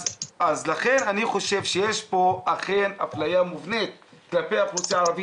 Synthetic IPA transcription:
azlaχe̞naniχo̞ʃe̞vʃejeʃpo̞aχe̞naflajamuvnet̪̚klapejhaput͡saaːʁavi

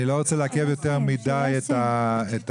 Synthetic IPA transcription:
ilo̞ʁot͡seleakevjoteʁmidajetaet

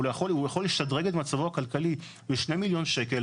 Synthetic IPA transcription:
lojaχolujaχo̞lːeʃtad̪ʁeɡetmat͡savoakalkali | beʃnemiljo̞nʃe̞kel

